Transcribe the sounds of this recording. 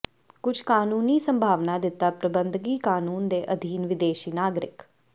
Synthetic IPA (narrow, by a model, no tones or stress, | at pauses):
kʊd͡ʒʰʱkaːnuːniːsəmbʱaːʋnaːd̪ɪt̪ːaːpɾəbənd̪ɡiːkaːnuːnd̪eːʔəd̪ʱiːnʋɪd̪eːʃiːnaːɡɾɪ̰k